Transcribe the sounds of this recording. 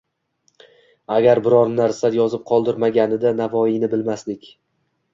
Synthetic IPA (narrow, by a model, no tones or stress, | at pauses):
aɡʲaɾbɪɾɒɾnaɾsajɒzɪp̚qʰɒlˠd̪ɪɾmaɡʲanɪd̪anavɒɪnɪbɪlmaslɪkʲ